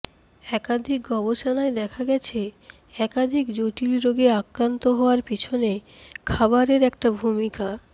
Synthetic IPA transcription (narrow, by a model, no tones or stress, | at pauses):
ɛkad̪ʱik̚ɡɔboʃonaed̪ɛkʰaɡɛt͡ɕʰe | ɛkad̪ʱikd͡ʑoʈilɾoɡeakɾant̪oɦɔoaɾpit͡ɕʰone | kʰabaɾeɾɛk̚ʈabʱumika